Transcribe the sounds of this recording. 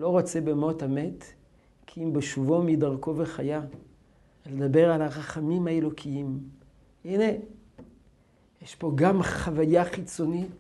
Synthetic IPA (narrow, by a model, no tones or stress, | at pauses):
lo̞ʁo̞t͡sebemotame̞t | kʰiimbeʃuvomidaʁko̞veχaja | led̪abe̞ʁalaʁaχamimhaelo̞kʰiim | ine | jeʃpo̞ɡamχavajaχit͡so̞nit